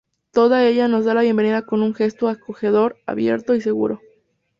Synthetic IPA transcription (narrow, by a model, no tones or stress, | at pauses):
t̪o̞ðae̞ʝano̞zðalaβje̞mbe̞niðako̞nuŋxe̞st̪oako̞xe̞ðo̞ɾa̰βje̞̰ɾt̪o̞ise̞ɣṵɾo